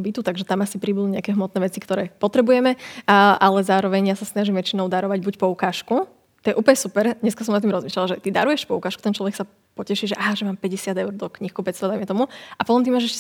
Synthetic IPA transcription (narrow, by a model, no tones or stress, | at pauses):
bit̪ut̪aɡʒɛt̪amasipɾibud̪uɲɛakɛɦmɔt̪nɛːʋɛt͡sikt̪ɔɾɛːpɔt̪ɾɛbujɛmɛʔalɛzaːɾɔʋɛɲjasasnaʒimʋɛt͡ʃinɔʊd̪aɾɔʋaɟbucpɔukaːʃku | t̪ɔjɛʔuːplɲɛsupɛɾɲɛskasɔmnat̪̬ːimɾɔzmiːʃlalaʒɛt̪id̪aɾujɛʃpɔukaːʃku̥t̪ɛnt͡ʃlɔʋɛksa | pɔcɛʃiʒɛʔaɦaʒɛmaːmpɛɟɛsɪad̪ɛʊɾd̪ɔkɲihkɔpɛt͡st̪ʋad̪ajmɛt̪ɔmuʔapɔt̪ɔmt̪imɔʒɛɛʃ